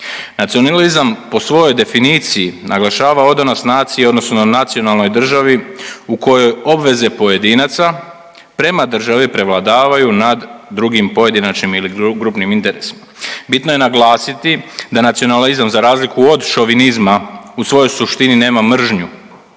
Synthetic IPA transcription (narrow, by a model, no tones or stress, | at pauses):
nat̪sio̞nalizampo̞sʋo̞jojd̪e̞finiːt̪sijinʔaɡlˠaʃaːʋao̞d̪anosnaːt̪sijeo̞d̪no̞snonat̪sio̞nalˠno̞jd̪r̩ʒaʋiuko̞jo̞jo̞bʋe̞ze̞po̞je̞d̪inat̪sa | pɾe̞mad̪r̩ʒaʋipɾe̞ʋlˠad̪aːʋajunad̪ːɾuɡimpo̞je̞d̪inat͡ʃnimiliɡɾupnimint̪e̞ɾe̞si̥mabit̪no̞je̞naɡlˠaːsit̪id̪anat̪sio̞nalizamzaɾaːzlikuo̞d̪ʃo̞ʋinizmausʋo̞jo̞jsuʃt̪inine̞ːmamr̩ʒɲu